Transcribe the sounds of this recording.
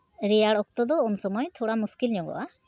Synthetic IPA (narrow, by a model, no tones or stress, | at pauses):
ɾejaɽɔk̚t̪ɔd̪ɔːnsɔmɔjt̪ʰoɽamuskilɲɔɡɔ̰ʔa